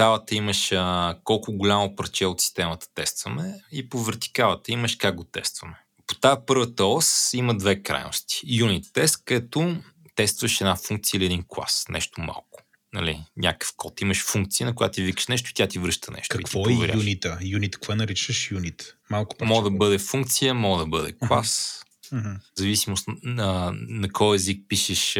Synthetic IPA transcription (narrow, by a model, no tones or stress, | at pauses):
t̪alˠət̪əiməʃəkɔlˠkʊɡʊlʲamopɾɐt͡ʃɛot̪si̥st̪ɛmɐt̪ə̥t̪ɛst̪vɐmɛipovɛɾt̪i̥kalˠət̪əiməʃkaɡɡot̪ɛst̪vɐmɛ | po̥t̪apɤɾvət̪əɔsiməd̪vɛkɾa̰jno̰st̪i̥junit̪ːɛst̪kɛt̪ot̪ɛst̪vɐʃɛd̪nafuŋk̚t̪siəiliɛd̪inklˠa̰snʔɛ̰ʃt̪oma̰lˠkʊ̥ | nɐ̰lḭɲʲʔa̰kə̥fkʰɔt̪iməʃfuŋk̚t̪siənɐk̬ʊja̰t̪t̪ivikə̥ʃnɛʃ̬t̪ʊit̪ʲjat̪ivɾɤʃt̪ənɛ̰ʃt̪ɐikt̪vɔɛvɛɾajunit̪əjunit̪kvɔɛnɐɾit͡ʃəʃjunit̪malˠkʊ̥pmɔɡd̪ɐbɤd̪ɛfuŋkt̪sijəmɔɡd̪ɐbɤd̪ɛ̰klˠas̩ | ɦ̩zɐvisimʊst̪ | nɐkʰɔjɛzik̚piʃɛʃ